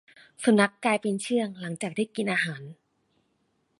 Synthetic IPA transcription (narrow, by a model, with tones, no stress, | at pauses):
sa˨˩˦mna˦˥kːlaː˧jpe˧nt͡ɕʰɯ˥˩əŋla˩˦ŋt͡ɕaː˨˩k̚tʰiː˥˩ki˧nʔaː˧ɦaː˩˦n